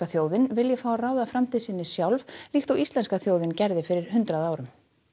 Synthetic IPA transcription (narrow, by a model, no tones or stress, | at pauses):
aθjoːwðɪnvɪljɛfaːwaraːwðafɾamt̪ʰiðsɪnːɪsjawlv̥lixt̪awist̪lɛnskaθjoːwðɪncɛɾðɪfɪɾɪɾ̥hʏnt̪ɾaðaːwɾʏm